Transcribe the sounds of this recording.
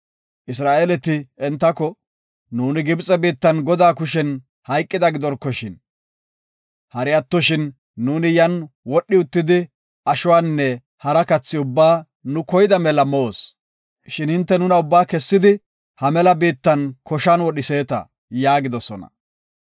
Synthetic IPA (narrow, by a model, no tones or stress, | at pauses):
ʔɪs̬ɾaːʔeːlɛt̪ɪɛnt̪ːɐkɔ | nuːnɪɡɪbt͡sʼɛbiːt̪ːɐnɡɔd̪aːkʊʃ̬ɛn | hɐjkʼːɪd̪ɐɡɪd̪ɔɾkːɔʃɪn | hɐɾɪɐt̪ːɔʃɪnː | uːnɪjɐnwɔɗːɪʊt̪ːɪd̪ɪ | ɐʃʊwaːnːɛ | hɐɾɐkɐt͡sːɪʊbːaː | nʊkɔjɪd̪ɐmɛlɐmoos | ʃɪnhɪnt̪ːɛnʊnɐʊbːaːkɛsːɪd̪ɪ | hɐmɛlɐbiːt̪ːɐnkʰɔʃanwɔɗɪseːt̪ɐ̰ | jaːɡɪd̪ɔsɔnɐ̰